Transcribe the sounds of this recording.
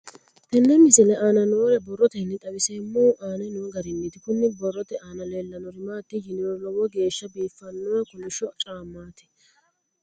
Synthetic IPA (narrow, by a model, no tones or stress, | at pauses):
t̪ɛnːɛmɪsɪlɛʔaːnɐnoːɾɛbɔrːɔt̪ɛhɪnːɛt̪ʼɐwɪsɛmːuːʔaːnɛnuːɡɐɾɪnːɪt̪ɪkʊnːɪbɔrːɔt̪ɛaːnɐleːlːɐnɔɾɪmaːt̪ːɪjɪnɪɾɔlɔwɔɡe̞ːʃːɐbiːfːɐnːɔɐkʊnɪʃɔt͡ʃʼaːmːaːt̪ɪ̥